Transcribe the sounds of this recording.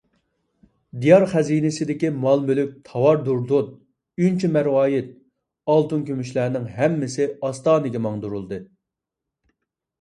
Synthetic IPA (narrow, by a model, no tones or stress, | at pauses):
d̪ijɑɾχæzinɪsɪd̪ɪkʲimɑlˠmølyk̚ʲt̪ʰɑwɑɾd̪uɾd̪ot̪̚ | ynt͡ʃʰɛmɛɾwɑːjɪt̪̚ | ɑlˠt̪unkʲʰømyʃlæːnɪŋɦɛmːɪsɪɑst̪ɑːnɨɡʲɛmɑŋd̪uɾulˠd̪ɨ